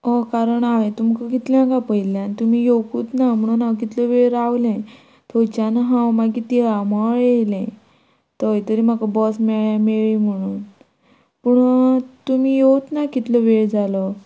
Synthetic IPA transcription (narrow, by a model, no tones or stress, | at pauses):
ɔkaɾəɳaʋẽt̪umkakit̪ljãkapəjljãnt̪umijokuːt̪nam̤əɽ̃unãwk̬it̪ləʋeɾawlɛ̃ | t̪ʰot͡ɕanɦãwmakit̪iamɔɭjelɛ̃ | t̪əjt̪əɾiːmakabɔsmeɭjãmeɭim̤əɽ̃uːn | puɳt̪umijewt̪nakit̪ləʋeɽd͡zalɔ